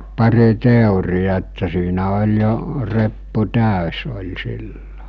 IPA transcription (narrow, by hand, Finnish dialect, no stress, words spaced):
pɑri teˑurijɑ etːæ siːnæ olʲ jo repːu tæˑøs olʲ silːo